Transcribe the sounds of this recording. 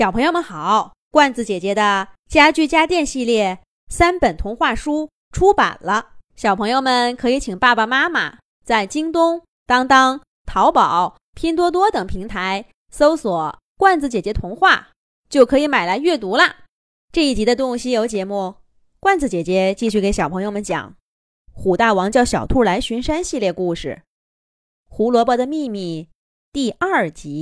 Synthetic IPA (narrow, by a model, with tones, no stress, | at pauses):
ɕjɑ˨˩ʊpʰɤ˧˥jo˧mə˧nxɑ˨˩˦ʊ | kwa˥˩nt͡sɹ̩˧˩t͡ɕjɛ˨˩t͡ɕjɛ˧˥d̪ə˧ | t͡ɕja˥t͡ɕy˥˩t͡ɕja˥t̪jɛ˥˧nɕi˥˧ljɛ˥˩ | sa˥npə˨˩nt̪ʰʊ˧˥ŋxwa˥˩ʂu˥ | ʈ͡ʂʰu˥pa̰˨˩nlə˦ɕjɑ˨˩ʊpʰɤ˧˥ŋjo˥˧ʊmə˨˩nkʰɤ˧˥i˧˥t͡ɕʰi˨˩ŋpa˥˩pa˩ma˥ma̰˨˩ | t͡sa˥˩ɪt͡ɕi˥ŋt̪ʊ˥ŋ | t̪ɑ˥ŋt̪ɑ˥ŋ | t̪ʰɑ˧˥ʊpɑ˨˩˦ʊ | pʰji˥nt̪̬wɔ˥t̪̬wɔ˥t̪ɤ˨˩ŋpʰi˧˥ŋt̪ʰa˧˥ɪ | so˥ʊswɔ˨˩˦ | kwa˥˩nt͡sɹ̩˧˩t͡ɕjɛ˨˩t͡ɕjɛ˧˥t̪ʰʊ˧˥ŋxwa˥˩ | t͡ɕjo˥˩ʊkʰɤ˧˥i˧˥ma˨˩ɪla˧˥ɪɥɛ˥˩t̪u˧˥lə˧ | ʈ͡ʂɤ˥˧i˥˩t͡ɕi˧˥d̪ə˧t̪̬ʊ˥ŋɕi˧jo˧˥ʊt͡ɕjɛ˧˥mu˥˩ | kwa˥˩nt͡sɹ̩˧˩t͡ɕjɛ˨˩t͡ɕjɛ˧˥t͡ɕi˥˧ɕy˥˩ke˧˥ɪɕjɑ˨˩ʊpʰɤ˧˥ŋjo˥˧ʊmə˧˦nt͡ɕjɑ̰˨˩˦ŋ | xu˨˩t̪a˥˩wɑ˧˥ŋt͡ɕjɑ˥˩ʊɕjɑ˨˩ʊt̪ʰu˥˩la˧˥ɪɕy˧˥nʂa˥nɕi˥˧ljɛ˥˧ku˥˧ʂɻ̩˥˩ | xu˧˥lwɔ˧˥pɔ˧˥d̪ə˧mi˥˧mi˥˧ | t̪i˥˧a˞˥˩t͡ɕi˧˥